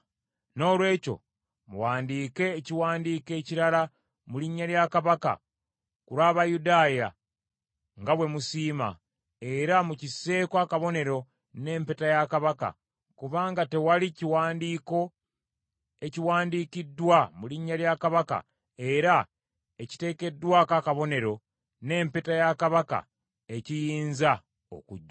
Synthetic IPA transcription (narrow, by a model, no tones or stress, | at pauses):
no̞ːlwe̞ːco̞̰ | mṵwaːndiːke̞ːciwaːndiːke̞ːciɾala | muliɲːaljakaβaka̰ | kuɾwaːβajudaːja | ŋɡaβwe̞musiːma̰ | e̞ɾamucisːe̞ːkwaːkaβo̞ne̞ɾo̞ | ne̞ːmpetajakaβaka̰ | kuβaːŋɡate̞waliciwaːndiːko̞ | e̞ciwaːndikidːwamuliɲːaljakaβaka̰ | e̞ɾa | e̞ci̥te̞ːke̞dːwakakaβo̞ne̞ɾo̞ | ne̞ːmpetajakaβaka̰ | e̞cijiːnza | o̰kuɟːa